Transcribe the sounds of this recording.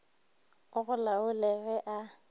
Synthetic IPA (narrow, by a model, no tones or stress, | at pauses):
ʊɣʊlawʊlɛɣɛʔa